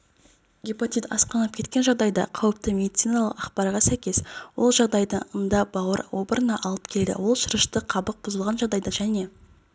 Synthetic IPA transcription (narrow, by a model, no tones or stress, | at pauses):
ɡʲipot̪it̪ɑ̰sqɑnɑp̚kʲe̞t̪kʲe̞nʒɑʁd̪ɑjd̪ɑ̰qʰɑwəp̚t̪əmʲe̞d̪it̪sijnalˠəqɑqpɑɾʁɑsæjkʲe̞swo̞lˠʒɑʁd̪ɑjd̪əɴənd̪ɑbɑwəɾwo̞bəɾənɑʔɑlˠəp̚kʲʰe̞ld̪ɪ̰wo̞lˠʃəɾəʃt̪əqʰɑbəq̚bʊzəlˠʁɑnʒɑʁd̪ɑjd̪ɑʒæne̞